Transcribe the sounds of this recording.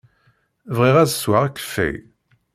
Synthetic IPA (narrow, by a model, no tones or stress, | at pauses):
vʁiʁæzəswaʁækːə̥fḭ